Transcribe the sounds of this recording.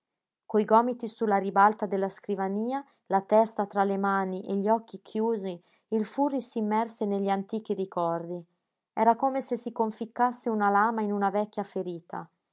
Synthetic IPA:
kojɡɔːmit̪isulːaɾibalt̪ad̪elːaskɾivaniːa | lat̪ɛst̪at̪ɾalemaːniʔeʎːiɔkːikʰjuːzi | ilfurːisimːɛrseneʎːant̪iːk̟iɾikɔrd̪i | ɛɾakoːmesesikoɱfikːasːeunalaːmainunavɛkʲːjafeɾiːt̪ʰa̰

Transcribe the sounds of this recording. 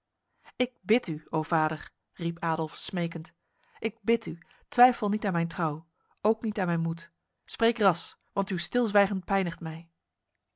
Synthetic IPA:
ɪk̚bɪtyowv̥aːdəɹ | ripaːdəlˠfsmejkənt | ʔɪk̚bɪty | tʋɛjfəlˠnitaːnmɛjntrɑw | owknitaːnmɛjnmut | sprejkrɑs | ʋɑntystɪlˠzʋɛjχənt̚pɛjnəχtmɛj

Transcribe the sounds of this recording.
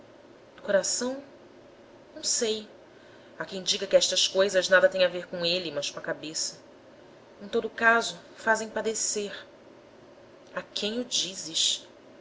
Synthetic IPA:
d̪ʊkoɾasɐ̃w̃ | nɐ̃w̃sej | akẽj̃d͡ʒiɡɐkɪɛʃt̪ɐskojzɐznad̪ɐt̪ẽɲ̃aveɾkõelimɐʃkõɐkabesɐ | ẽj̃t̪od̪ʊkazʊ | fazẽj̃pad̪eseɾ | akʰẽj̃ʊd͡ʒizɪʃ

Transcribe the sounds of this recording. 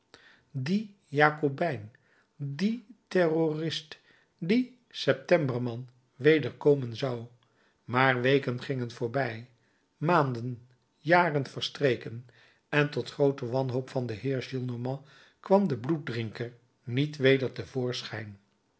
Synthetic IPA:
di | jaːkobɛjn | ditɛrorɪst | di | sɛp̚tɛmbəɹmɑn | ʋejdəɹkowmənzɑw | maːɹʋejkənχɪŋənvʊːɹbɛj | maːndən | jaːrənvəɹstrejkən | ɛntɔtχrowtəʋɑnɦowpfɑndəɦɪːɹʒilˠnomɑ̃ | kʋɑmdəblut̚drɪŋkəɹ | nitʋejdəɹtəvʊːɹsχɛjn

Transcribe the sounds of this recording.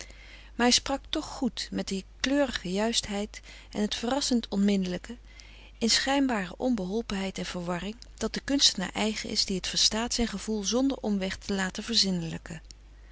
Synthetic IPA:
maːɹɦɛjsprɑktɔχχutmɛd̚əkløːrəχəjœɥstɦɛjt | ɛ̰nɦətfərɑsəntʰɔnmɪndələkə | ɪnsχɛjnbaːrəʔɔmbəɦɔlˠpənɦɛjtɛnv̥əɹʋɑrɪŋd̥ɑt̚dəkɵnstəna̰ːɹʔɛjχəʔɪ̰zdiɦətfəɹstaːtsɛjnχəv̥ulˠzɔndə̰ɹʔɔmʋɛχtʰəlaːtəvəɹzɪnələkə

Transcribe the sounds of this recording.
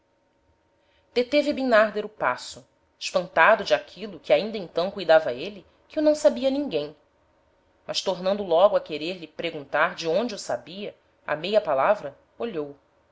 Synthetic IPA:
d̪̥et̪evɪbinaɾd̪eɾʊpa̰sʊ | ɪʃpɐ̃nt̪ad̪ʊd͡ʒɪakʰilʊkɪaĩnd̪ɐẽnt̪ɐ̃w̃kujd̪avɐelɪ | kɪewnɐ̃w̃sabiɐnĩŋɡẽj̃ | mʔɐʃt̪oɾnɐ̃nd̪ʊlɔɡʊɐkeɾeɾlɪpɾeɡũnt̪aɾd͡ʒɪõnd͡ʒɪusabiɐ | ɐ̰mejɐpalavɾɐ | oʎow

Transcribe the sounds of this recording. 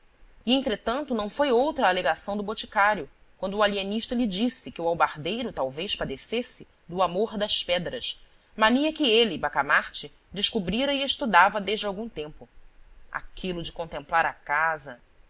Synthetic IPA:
iẽnt̪ɾet̪ɐ̃nt̪ʊnɐ̃w̃fojowt̪ɾɐːleɡasɐ̃w̃d̪ʊbot͡ʃi̥kaɾjʊ | kwɐ̃nd̪ʊːalieniʃt̪ɐlɪd͡ʒisɪkɪuawbaɾd̪ejɾʊt̪awvejʃpad̪esesɪ | d̪ʊamoɾd̪ɐspɛd̪ɾɐʃ | maniɐkɪelɪbakamaɾt͡ʃɪ | d͡ʒɪʃkubɾiɾɐieʃt̪ud̪avɐd̪eʒd͡ʒɪawɡũt̪ẽmpʊa̰kʰilʊd͡ʒɪkõnt̪ẽmplaɾakazɐ

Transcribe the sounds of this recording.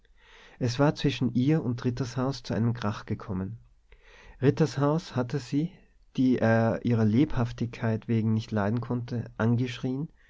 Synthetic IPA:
ʔɛsv̥aːɐt͡sv̥ɪʃn̩ʔiːɐʊntʁɪtɐshaʊst͡suʔa̰ɪnəmɡʁaχɡ̥əkʰɔmən | ʁɪtɐshaʊshatəziː | d̥iːʔeːɐʔiːʁɐleːphaftɪçkʰaɪtv̥eːɡŋ̩nɪçtlaɪdn̩kʰɔntʰəʔanɡəʃʁ̥iːən

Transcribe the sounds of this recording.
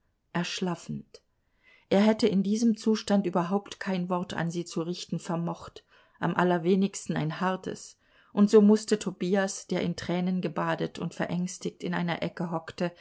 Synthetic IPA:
ʔɛɐʃlafn̩t | ʔeːɐɦɛtəɪndiːzəmt͡suːʃtantʔyːbɐɦaʊptkʰaɪnvɔʁtʰa̰nziːt͡suʁɪçtn̩fɛɐmɔχt | ʔa̰mʔalɐveːnɪçstn̩a̰ɪnhaʁtʰə̰s | ʔʊntz̥oːmʊstətʰobiːasd̥eːɐʔɪntʁ̥ɛːnənɡəbaːdətʊ̰ntfɛɐʔɛŋstɪçtɪnʔa̰ɪnɐ̰ʔɛkəɦɔktə

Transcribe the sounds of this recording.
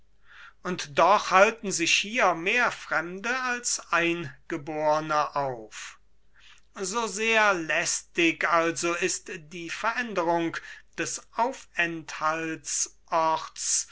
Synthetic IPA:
ʔʊntd̥ɔχhaltn̩zɪʃhiːɐmeːɐfʁ̥ɛmdəalsʔaɪnɡ̥əboːʁənəʔaʊf | zoːzeːɐlɛstɪkalzoɪstd̥iːfɛɐʔɛndəʁʊŋkd̥ɛsʔaʊfɛnthalsʔɔχts

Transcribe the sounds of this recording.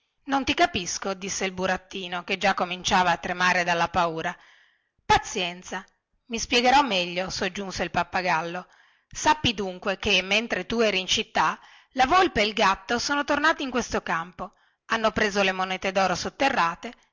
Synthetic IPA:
nont̪ikapiskod̪isːeilbuɾat̪ːiːnoked͡ʒakːomint͡ʃaːvaːt̪ːɾemaːɾed̪alːapauːɾa | pat̪sːjɛnt̪sa | mispjɛɡeɾɔmːɛʎːosod͡ʒːunseilpapːaɡalːo | sapːid̪uŋkwekemːent̪ɾet̪uɛːɾiint͡ʃit̪ːa | lavolpeːlɡat̪ːosoːnot̪ornaːt̪iiŋkwest̪okampo | anːopɾeːzolemonɛːt̪ed̪ɔːɾosot̪ːerːaːt̪e

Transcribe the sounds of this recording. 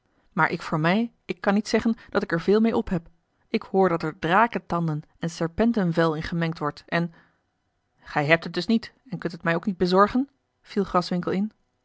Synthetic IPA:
maːɹʔɪkfʊːɹmɛj | ɪkːɑnitsɛχənd̥ɑtɪkɛɹvɪːlˠmejɔpɦɛp | ɪkhʊːɹdɑtɛɹdraːkətɑndən | ɛnsɛɹpɛntənvɛlˠɪnχəmɛŋktʋɔɹtɛn | χɛjɦɛp̚tɦət̚dɵsnit | ɛnkɵntətmɛjowknid̚bəzɔɹχən | v̥ilˠχrɑsʋɪŋkəlˠɪn

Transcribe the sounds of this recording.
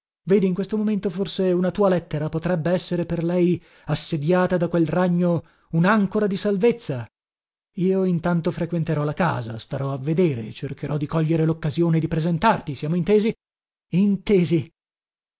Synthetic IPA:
veːd̪iːŋkwest̪omoment̪oforseunat̪uːalɛt̪ːeɾapot̪ɾɛbːeɛsːeɾeperlɛj | asːed̪jaːt̪ad̪akwelraɲːo | unaŋkoɾad̪isalvet̪sːa | iːoint̪ant̪ofɾekwent̪eɾɔlaka̰ːza̰st̪aɾɔavːed̪eːɾet͡ʃerkeɾɔd̪ikɔʎːeɾelokːazjoːned̪ipɾezent̪art̪isjaːmoint̪eːzi | int̪eːzi

